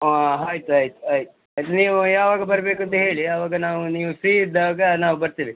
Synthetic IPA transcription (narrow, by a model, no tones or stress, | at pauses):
ɦaːjt̪uaːjt̪u̥aːjt̪u | aːjt̪̬uniːʋujaːʋaːɡɐbɐɾɐbeːkuɐnt̪ɐɦe̞ːɭiɐʋaːɡɐnaːʋuniːʋusiːd̪aʋːɡɐnaːʋubɐɾt̪iːʋi